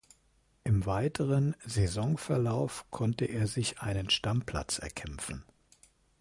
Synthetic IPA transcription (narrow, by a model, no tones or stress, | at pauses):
ʔɪmvaɪtʰəʁənzezɔŋfɛɐlaʊfkʰɔntəʔeːɐzɪçʔaɪnənʃtampʰl̥a̰t͡sɛ̰ɐkʰɛmfn̩